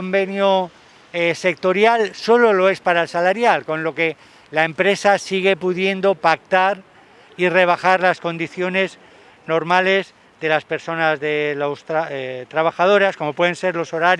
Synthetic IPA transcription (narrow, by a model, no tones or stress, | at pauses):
ombe̞njo | ese̞k̚t̪o̞ɾjalso̞lo̞lo̞e̞spaɾaelsalaɾjalko̞nlo̞ke̞ | laempɾe̞sasiɣ̞epuðje̞nd̪o̞pak̚t̪aɾ | ire̞β̞axaɾlasko̞nd̪iθjo̞ne̞z | no̞ɾmale̞z | ðe̞laspe̞ɾso̞nazðe̞lost̪t̪ɾaβ̞axað̞o̞ɾasko̞mopwe̞ð̞e̞nse̞ɾlo̞so̞ɾaɾ